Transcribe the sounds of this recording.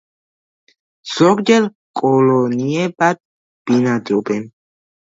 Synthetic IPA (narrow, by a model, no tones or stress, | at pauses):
z̥ɔɡd͡ʒɛl | kʼɔlɔniɛbad̪̚ | b̥inad̪ɔbɛn